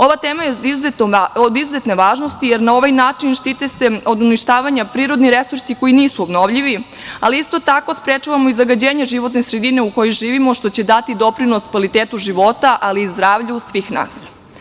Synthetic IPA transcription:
o̞ʋat̪eːmajeizuzet̪od̪izuzet̪ne̞ʋaːʒno̞st̪ijeɾnao̞ʋajnaːt͡ʂinʃt̪it̪e̞se̞o̞d̪uniʃt̪aːʋaɲapɾiːɾo̞d̪niɾe̞suɾsiko̞jiniːsuobno̞ʋʎiʋi | aliist̪o̞t̪ako̞spɾet͡ʂaʋamo̞izaɡad͡ʑeːɲeʒiʋo̞t̪nesɾe̞d̪ine̞uko̞joʒiːʋimo̞ʃt̪o̞t͡ɕe̞d̪at̪id̪o̞pɾino̞skʋalit̪eːt̪uʒiʋo̞t̪aʔaliːzd̪ɾaːʋʎusʋiːxna̰ːs

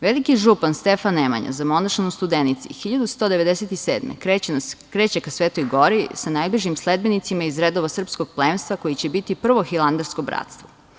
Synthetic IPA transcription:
ʋelikiʒupanst̪efanːema̰ɲa̰zamo̞naʃanust̪ud̪enit̪sḭxiʎad̪ust̪oːd̪eʋe̞d̪eset̪iseːd̪mḛkkɾet͡ɕekasʋeːt̪ojɡo̞ɾisanajbliʒimsled̪̚benit̪simaizɾed̪o̞ʋasr̩psko̞ɡ̚plˠeːmst̪ʋako̞jit͡ɕe̞bit̪ipr̩ʋo̞xilˠand̪aɾsko̞bɾa̰t̪st̪ʋo

